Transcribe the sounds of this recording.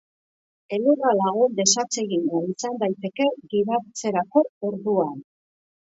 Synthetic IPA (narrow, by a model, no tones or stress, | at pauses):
e̞luralaɣund̪e̞sat͡se̞ɣinɡaisand̪ajt̪e̞ke̞ɣiɾat͡se̞ɾako̞oɾðuan